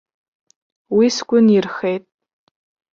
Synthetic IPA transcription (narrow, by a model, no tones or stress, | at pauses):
wiskʷʼʊnirχejtʼ